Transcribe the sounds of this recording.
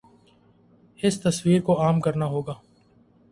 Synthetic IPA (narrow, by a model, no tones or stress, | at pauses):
ɪst̪ɐswiːɾkoaːmkɐɾnaɦoːɡaː